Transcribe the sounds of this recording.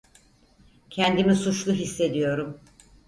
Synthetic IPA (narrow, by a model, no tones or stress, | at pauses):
cʰɛnd̪imisut͡ʃlˠuɦisːe̞d̪ijo̞ɾum